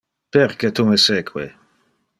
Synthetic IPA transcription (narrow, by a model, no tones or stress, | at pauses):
perket̪umeseːkʰwḛ